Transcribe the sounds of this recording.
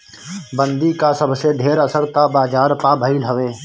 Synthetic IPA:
bə̃nd̪ikasəbseɖʱeːɾəsəɾt̪abaːd͡ʒaːɾpabʱəilɦəʋeː

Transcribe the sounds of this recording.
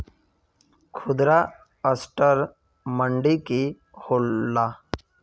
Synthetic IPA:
kʰʊd̪ɾa | əsʈəɾ | məɳɖiki | holːaː

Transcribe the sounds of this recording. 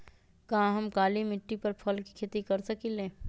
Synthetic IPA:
kɐɦãɦɐmkaːlimɪʈːipɐɾpʰɐlki̥kʰeːt̪ikɐɾsɐkilẽː

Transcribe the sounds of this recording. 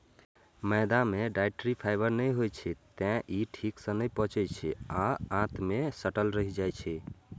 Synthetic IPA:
məd̪ameɖajʈɾipʰaɪbəɾnəjɦojt͡ʃʰɛt̪ɛ̃ʔiʈʰiksə̃nəjpɔ̃t͡ʃɛt͡ʃʰɛaãt̪ʰmesəʈəlɾəɦid͡ʒajt͡ʃʰɛ

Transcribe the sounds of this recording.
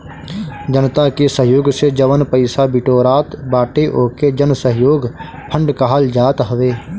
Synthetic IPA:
d͡ʒənt̪akesəɦɪjoːɡsed͡ʒəʋənpəɪsabɪʈoːɾaːt̪baːʈeʔoːked͡ʒənsəɦjoːɡ | pʰə̃ɳɖkaɦald͡ʒaːt̪ɦəʋeː

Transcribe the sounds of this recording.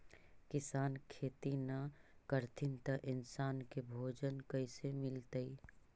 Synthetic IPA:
kɪsaːnkʰeːt̪inɐkəɾt̪ʰɪnt̪ɐʔɪnsaːnkebʱoːd͡ʒənkɐisemɪlt̪əi

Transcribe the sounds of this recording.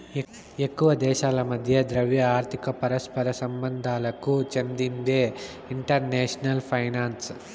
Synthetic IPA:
ekːuʋɐd̪ɛːʃaːlɐmɐd̪ʱjɐd̪ɾɐʋjɐaːɾt̪ʰikɐpɐɾɐspɐɾɐsɐmbɐnd̪ʱaːlɐkut͡ʃɐnd̪ind̪eː | iɳʈɐɾneːʂɐnɐlpʰɐjnaːns

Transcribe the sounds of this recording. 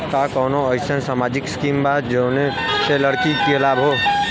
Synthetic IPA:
kakɔːnoəɪsənsaːmaːd͡ʒɪkskiːmbaːd̪d͡ʒneseləɽkikilaːbɦoː

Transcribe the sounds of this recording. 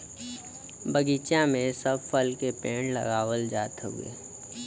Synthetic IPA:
bəɡiːt͡ʃjãmẽsəbfəlkepẽːɳlə̰ɣaːwəld͡ʒaːt̪ɦṵḛː

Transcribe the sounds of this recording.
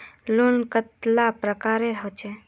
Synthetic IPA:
lonkət̪lapɾəkaɾeɾəɦot͡ʃʰɛ

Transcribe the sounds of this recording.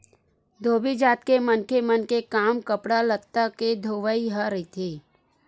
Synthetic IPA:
d̪ʱoːbid͡ʒaːt̪̚kemənkemənkekaːmkəpɽalət̪aked̪ʱoːʋəiɦəɾəɦit̪ʰeː

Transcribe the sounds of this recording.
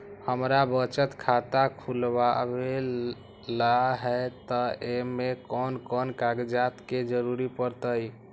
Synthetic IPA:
həmɾabət͡ʃət̪kʰat̪akʰulbabel | laɦɛt̪ɔemekɔnkɔnkaɡd͡ʒat̪ked͡ʒəɾuɾipəɾt̪əj

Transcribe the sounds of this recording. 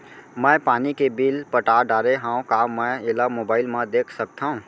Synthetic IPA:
mə̃ːpaːnikebiːlpəʈaːɖaːɾeɦãːũkamɛ̃ɪlamoːbaːɪlmãd̪eːkʰsək̚t̪ʰaũ

